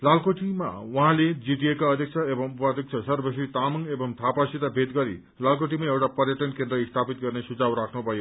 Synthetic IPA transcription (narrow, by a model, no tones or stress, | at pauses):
lalkoʈima̰wuɦãled͡ziʈiekaʌd̪ʱjʌk̚t͡sʰʌebʌŋupʌd̪ʱjʌk̚t͡sʰʌsʌrbʌsit̪amʌŋebʌŋt̪ʰapasit̪abʱed̪ɡʌɾḭ | lalkoʈ̬imaewʈapʌrjʌʈʌnkẽnd̪ɾʌist̪ʰapit̪̚ɡʌrnesud͡zawɾakʰnubʱʌjo